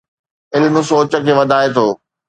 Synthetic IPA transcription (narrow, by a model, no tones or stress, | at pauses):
ɪlɪmʊsoːt͡ɕə̆kʰeːʋɐd̪ʱaːet̪ʰoː